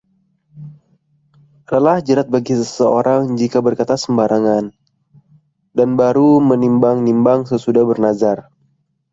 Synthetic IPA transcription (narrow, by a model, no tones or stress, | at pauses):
adalahd͡ʒəɾat̪̚baɡisəsəoɾaŋd͡ʒikabərkat̪asəmbaɾʔaŋan | danbaɾumənimbaŋnimbaŋsəsudahbərnazar